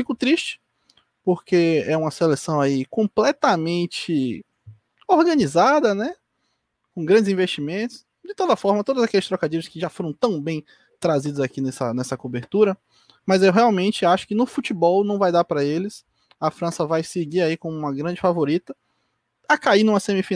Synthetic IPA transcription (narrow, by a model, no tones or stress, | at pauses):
fikʊt̪ɾiʃt͡ʃɪ̥ | poɾkeɛũmɐselesɐ̃w̃aikõplɛt̪ɐmẽnt͡ʃɪ | oɾɡɐ̃nizad̪ɐnɛ | kõɡɾɐ̃d͡ʒɪzĩveʃt͡ʃimẽnt̪ʊ̥s | d͡ʒɪt̪od̪ɐfɔɾmɐt̪od̪ʊzakɛlɪst̪ɾɔkad͡ʒiɾʊskɪʒafoɾɐ̃w̃t̪ɐ̃w̃bẽj̃ | t̪ɾazid̪ʊzakinɛsɐ̰nɛsɐkobeɾt̪uɾɐ | mɐzewɦeawmẽnt͡ʃɪaʃʊ̥kɪnʊfut͡ʃibɔwnɐ̃w̃vajd̪aɾpɾɐelɪs | ɐfɾɐ̃sɐvajsɪɡiɾaikõmʊũmɐɡɾɐ̃d͡ʒɪfavoɾit̪ɐ | ɐkainũmɐsẽmifi